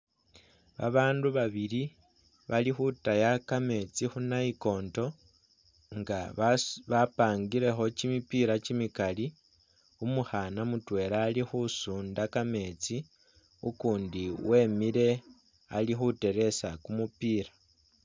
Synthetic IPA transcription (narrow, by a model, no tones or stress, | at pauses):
βa̰βaːnduβaβili | βalixutajakame̞t͡sixunaiko̞ːnto̞ | ŋɡaβapaːŋɡiɾe̞xo̞cimipiɾat͡ʃimikali | umuxanamutwe̞ːɾaːlixusuːndakame̞t͡si | ukuːndiwe̞miɾe̞ | alixute̞ɾe̞sakumupiːɾḁ